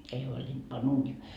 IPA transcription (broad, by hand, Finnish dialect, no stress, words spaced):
ei huolʲind̥ pɑn uːniː